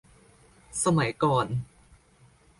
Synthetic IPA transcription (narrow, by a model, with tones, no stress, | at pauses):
sɐ˥mɐ˨˩jkɔː˧n